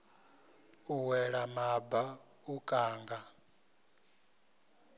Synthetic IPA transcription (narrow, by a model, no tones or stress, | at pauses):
uwɛɺamaba | ukʼaːŋɡa